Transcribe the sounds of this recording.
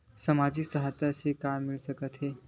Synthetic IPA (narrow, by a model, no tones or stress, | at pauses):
səmad͡ʑisəɦat̪asekamːilsəkət̪ɦe